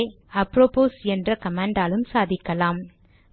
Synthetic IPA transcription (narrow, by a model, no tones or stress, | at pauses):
ɐpɾoːpoːsɛndrɐkɐmaːɳɖaːlɯmsaːðɪkːɐlaːm